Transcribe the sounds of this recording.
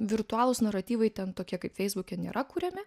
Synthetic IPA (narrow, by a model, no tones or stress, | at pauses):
ʋʲɪɾt̪ʊɑːlˠʊsnɐɾɐt̪ʲiːʋɐɪt̪ʲɛnt̪oːkʲiɛkɐɪpfʲɛɪzbʊkʲɛnʲḛːɾʔɐkuːɾʲɛmʲɪ